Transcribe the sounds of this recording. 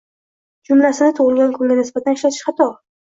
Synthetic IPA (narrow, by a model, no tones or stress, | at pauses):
d͡ʒʊmlasɪnɪt̪ʰʊʁɨlɡʲankʰʊŋɡʲanɪsbat̪ʰanɪʃlat̪ʰɪ̥ʃχɑt̪ʰɒ